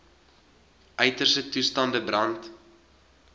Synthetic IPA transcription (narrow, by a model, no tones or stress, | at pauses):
ʔœɥtərsətustɐndəbrɐnt